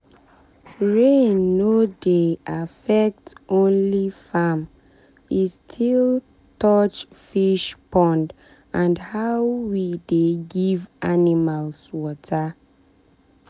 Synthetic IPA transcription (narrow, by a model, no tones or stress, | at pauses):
ɹenːodeafɛk̚tõnlifam | istʰil | tɔt͡ʃfiʃpɔ̃nd | ãnhaʊwideɡivʔanimalswɔtʰa